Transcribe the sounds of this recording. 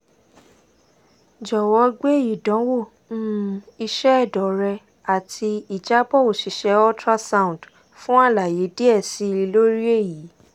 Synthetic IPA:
d͡ʒɔ˨wɔ˨˧˦ɡ͡be˦˨ji˨dɔ̃˨˦wo˦˨ | ñ̩˦i˧ʃɛ˦ɛ˦˨dɔ˨ɾɛ˧ | a˨tʰi˧i˨d͡ʒa˦bɔ˦o˨ʃi˨ʃɛ˧˦ɔ˦tɾa˦sa˦ũ˨d | fũ˦a˦˨la˨je˨˦di˦ɛ˦˨si˨˦˧i˧lo˦ɾi˦e˦˨ji˨˦

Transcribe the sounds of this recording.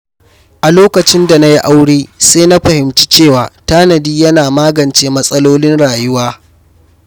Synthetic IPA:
ʔa˨loː˦kɐ˨t͡ʃɪ˦nda˨na˦ji˦ʔa˦wɽeː˦seː˦na˦ɸɐ˨hɪ˨mt͡ʃi˦t͡ʃeː˦˨waː˨taː˦nɐ˨diː˦jɐ˦naː˨maː˦ɡɐ˨nt͡ʃeː˦mɐ˦sʼɐ˦loː˦lɪ˦nɽaː˨jʊ˦waː˦

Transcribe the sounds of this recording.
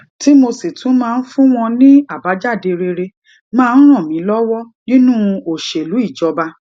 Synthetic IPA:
ti˦mo˧si˨tʰũ˨˦mãː˧n̩˦fũ˦w̃ɔ̃˧nĩ˦a˦˨ba˨˦d͡ʒa˦˨de˧ɾe˧ɾe˧ | mãː˦˧˦n̩˦ɾ̃ɔ̃˦˨mĩ˨˦lɔ˦wɔ˦ | nĩ˦nũ˦o˨ʃe˨lu˨˦i˦˨d͡ʒɔ˨˦ba˧

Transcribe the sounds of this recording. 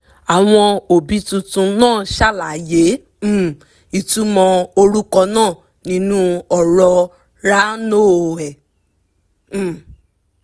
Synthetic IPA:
a˨w̃ɔ̃˧o˨bi˨˧˦tũ˧tũ˧nãː˦˨ʃa˦˨la˨jẽ˨˦˨ | i˨tu˦mɔ̃˧o˧ɾu˦kɔ˧nãː˦˨ | nĩ˨˦nũ˦ɔ˨ɾɔ˧ | ɾa˦noː˦˨ɛ˨

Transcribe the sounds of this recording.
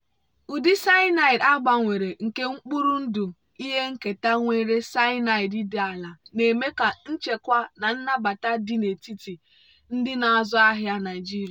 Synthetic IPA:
u˨dɪ˦sa˦ɪ˦na˦i˨da˦ɡ͡ba˨ŋʷe˨ɾe˨ŋ̩˨ke˦ŋ͡m̩˦k͡pu˦ɾu˦n̩˦du˨ | i˦ɦe˦ŋ̩˦ke˨ta˦ŋʷe˦ɾe˦sa˦ɪ˦na˦˨i˨di˦dɪ˦a˨la˨ne˨me˦ka˨n̩˦t͡ʃe˨kʷa˦na˨n̩˦na˦ba˨ta˦dɪ˦ne˨ti˦ti˨ | n̩˦dɪ˦na˨a˨zʊ˦a˦ɦja˦na˨ɪ˨d͡ʒi˦ɾi˨

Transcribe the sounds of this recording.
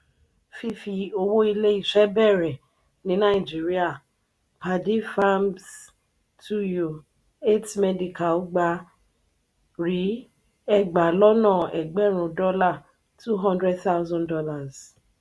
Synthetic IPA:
fi˦fi˧o˧wo˦i˧le˦i˦˨ʃɛ˦bɛ˦˨ɾɛ˨ | nĩ˨˦nã˦i˨d͡ʒi˨˦ɾi˦a˦˨ | pʰa˧di˦fa˦ms | tʰu˦jo˨ | e˦tmɛ˦di˨ka˨lɡ͡ba˧ | ɾi˨˦ | ɛ˦˨ɡ͡ba˨lɔ˦nãː˦˨ɛ˨ɡ͡bɛ˦ɾ̃ũ˨˧dɔ˦la˦˨ | tu˦ɦɔ̃˦ndɾɛ˦dθa˦wzɔ̃˦ndɔ˦la˦˨z

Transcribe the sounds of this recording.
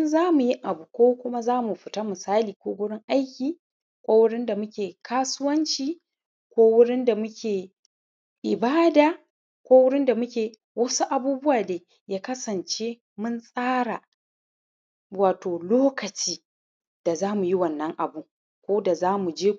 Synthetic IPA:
nzaː˦mu˨jɪ˦ŋʔa˨bu˨kʷoː˦kʷʊ˦ma˦zaː˦mu˨ɸɪ˨ta˦mɪ˨saː˦liː˨kʷoː˦ɡʷʊ˦ɽɪ˦ŋʔa˦jkʲiː˨ | kʷoː˦wʊ˦ɽɪ˦nda˨mʊ˦kʲeː˨kʰaː˦sʊ˦wɐ˦nt͡ʃiː˦ | kʷoː˦wʊ˦ɽɪ˦nda˨mʊ˦kʲʰeː˨ | ʔɪ˨baː˦daː˨ | kʷoː˦wʊ˦ɽɪ˦nda˨mʊ˦kʲeː˨ | wɐ˦su˦ʔa˨buː˦bʊ˦waː˨deː˨ | jaː˦kɐ˦sɐ˨nt͡ʃe˦ | mʊ˦nsʼaː˦ɽa˨ | waː˨toː˨loː˦kɐ˨t͡ʃiː˦ | d̥a˨zaː˦mu˨ji˦wɐ˨nːɐ˦ŋʔa˨bʊ˦ | kʷoː˦da˨zaː˦mu˨d͡ʒeː˦

